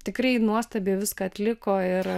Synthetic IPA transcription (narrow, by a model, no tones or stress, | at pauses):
t̪ʲɪkɾɐɪnuɔst̪ɐbʲeːʋʲɪskɐːɐt̪ʲlʲɪkoːɪɾ